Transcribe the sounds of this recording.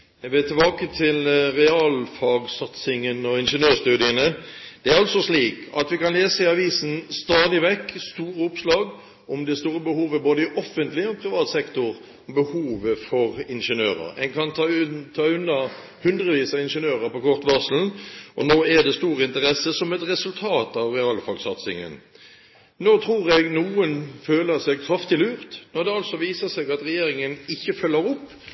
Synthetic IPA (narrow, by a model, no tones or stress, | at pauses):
ɛʋɛt̪ʰɪlbɑːkət̪ʰɪlɾɛɑːlfɑɡsɑt̪sɪŋənɔɪnʂənøːst̪ʉːd̪ɪənəd̪̥ɛæɾɑlsɔʂliːkɑ̰t̪ʋɪkɑnleːsəɪɑʋiːsənst̪ɑːd̪ɪʋɛkːst̪uːɾəʊpslɑːɡ | ɔmd̪ɛst̪uːɾəbəhuːʋəboːd̪əɪʔɔfːənt̪lɪɔpʰɾɪʋɑːt̪sɛkt̪ʊɾ | ɔmbəhuːʋəfɔɾɪnʂənøːɾə̰ɾɛnkʰɑnt̪ʰɑːʉnːə | hʉnd̪ʁəʋiːsɑɪnʂənøːʁəpɔkʰɔʁt̪ʋɑʁsl̩nʔɔnoːæd̪ɛst̪uːɾəɪnt̪əɾɛsːəsɔmɛt̪ɾɛsʉlt̪ʰɑːt̪ɑʋʁɛɑːlfɑɡsɑt̪sɪ̰ŋə̰n | noːt̪ʰɾuːʁɛɡnuːənføːləsɛɡkʰɾɑft̪ɪlʉːʁt̪nɔːd̪ɛɑlsɔʋiːsəsɛɡɑt̪ɾɛjeːɾɪŋənɪçːəfœlːəɾʊpː